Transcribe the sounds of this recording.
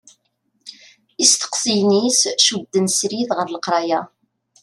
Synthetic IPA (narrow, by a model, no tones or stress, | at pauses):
ist̪ə̥qsijnisʃubd̪ːənsɾiðʁəɾləqɾˤɑja